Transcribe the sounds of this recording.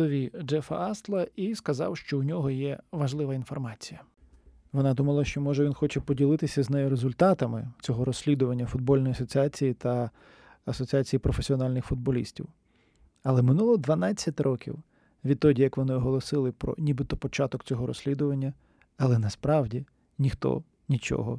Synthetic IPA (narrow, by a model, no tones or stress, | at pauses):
ɔʋʲid͡ʒɛfɐ̰ɑst̪lˠɐiskɐzɑ̰wʃt͡ʃɔunʲɔɦɔjɛʋɐʒlˠɪʋɐinfɔrmɑt͡sʲijɐ | ʋɔnɑd̪umɐlˠɐʃt͡ʃɔmɔʒɛʋʲinxɔt͡ʃɛpɔdʲilˠɪt̪ɪsʲɐznɛjʊɾezʊlʲt̪ɑt̪ɐmɪ̰t͡sʲɔɦɔɾɔsʲlʲid̪ʊʋɐnʲːɐfʊd̪̚bɔlʲnɔjiɐsɔt͡sʲiat͡sʲijit̪ɐ | ɐsɔt͡sʲiat͡sʲijipɾɔfesʲiɔnɑlʲnɪxfʊd̪̚bɔlʲḭsʲtʲḭw | ɐlˠɛmɪnulˠɔd̪ʋɐnɑt͡sʲːɐtʲrɔkʲḭw | ʋʲid̪̚t̪ːɔdʲijɐkʋɔnɪɔɦɔlˠɔsɪlˠɪpɾɔ̰nʲibɪt̪ɔpɔt͡ʃɑt̪ɔkt͡sʲɔɦɔɾɔ̰sʲlʲid̪ʊʋɐnʲːɐ | ɐlˠɛnɐspɾɑwdʲi | nʲixt̪ɔ̰ | nʲit͡ʃɔ̰ɦɔ̰